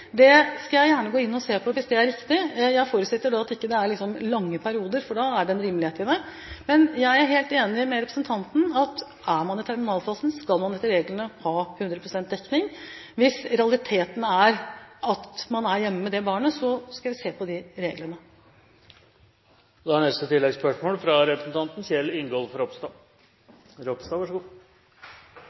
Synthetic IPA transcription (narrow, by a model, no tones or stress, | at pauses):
d̪ɛskɑljæɪjæːɳəɡoːɪnːɔseːpʰɔʋɪsd̪ɛæɾɪkt̪ɪjæɪfoːɾʉt̪sɛt̪ːəɖɑɑt̪ɪkːəd̪ɛæɾɭɪksɔmlɑŋːəpʰæɾɪuːd̪əɾfɔɖɑæɖɛɛnɾiːməlɪheːt̪ɪd̪ɛ | mɛnjæɪæɾɦeːlt̪eːnɪmɛɾɛpɾəsənt̪ʰɑnt̪n̩ɑt̪ | æmɑnɪt̪ʰæɾmɪnɑːlfɑːsn̩skɑlmɑnɛt̪ːəɾeːɡlənəhɑːhʉnd̪ɾəpʰɾʊsɛnt̪̚d̪ɛkːnɪŋʋɪsɾɛɑlɪt̪ʰeːt̪ən̩æɾɑt̪mɑnæɾjɛmːəmɛd̪ɛbɑːɳəsɔskɑljæɪseːpʰɔd̪ɪɾeːɡləɳə | d̪ɛæɳnɛst̪ət̪ʰɪlːɛɡspœʂmoːlfɾɑɾɛpɾəsn̩t̪ʰɑnt̪n̩ɕɛlːɪŋɡɔːlfɔɾɔpst̪ɑ | ɾɔpst̪ɑʋɑʂəɡuː